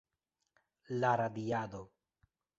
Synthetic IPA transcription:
laɾad̪iad̪o

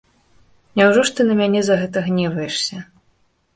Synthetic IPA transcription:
nʲawʐɔʂt̪ɨnɐmʲanʲɛzɐɣɛt̪ɐɣnʲɛvɐjɛʂsʲɐ

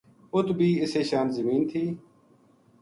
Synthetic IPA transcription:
ʊt̪bʱiːɪseːʃaːnzəmiːnt̪ʰiː

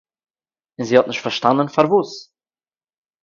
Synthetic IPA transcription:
ɪnzihɔtnɪʃtfɛɾʃtandənfaɾvuːs

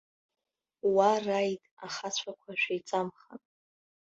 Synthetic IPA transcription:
warajtʼa̰χat͡sʷʰakʷʰaʃᶣajt͡sʼamχa̰n

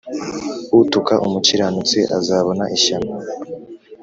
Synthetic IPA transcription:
utukaʔumuciɾanut͡seʔa̰zaːβo̞naʔiʃama

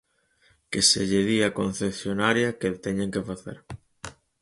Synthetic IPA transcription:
keseʎeðiakon̟θeθjonaɾjɐket̪ɛɲeŋkefaθḛɾ

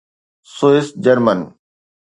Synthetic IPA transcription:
soɪs̚d͡ʑɐɾmən

